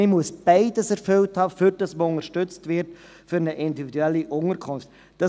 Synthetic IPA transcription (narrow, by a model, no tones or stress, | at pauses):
ɪmuəsb̥aɪdəsɛɾfølthɑːfyɾd̥ɑsməʊŋəɾʃtʏt͡stvɪɾt | fyɾnəʔɪndividuɛlːiʔʊŋəɾkʰʊnft | d̥ɑ